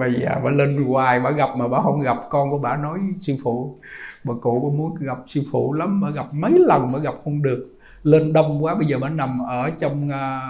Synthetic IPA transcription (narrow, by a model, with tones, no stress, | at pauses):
ɓə˧jzə̰ː˨˩va̰ː˧˨˦le˧nkwaː˨˩jɓa̰ː˧˥ɣa˨˩p̚maː˨˩ɓa̰ː˧˦hə˧wŋ͡mɣa˨˩p̚kɔ˧nku˧˩əɓa̰ː˧˩˨nɔ˨˦jsi˧fṵ˧˩˦ɓaː˨˩kṵ˧˨˦kɔ˧˦mu˨˦ənɣa˨˩p̚si˧fṵ˧˩˦la˨˦mːəː˧˦ɣa˨˩p̚mə˨˦jlə˨˩nməː˨˧˦jɣa˨˩p̚hə˧wŋ͡mɗɨ˨˩ək̚ | le˧nɗə˧wŋ͡mkwaː˨˦ɓə˧jzəː˨˩ɓa̰ː˧˥˦na˨˩mʔəː˧˩t͡ɕɔ˧wŋ͡mː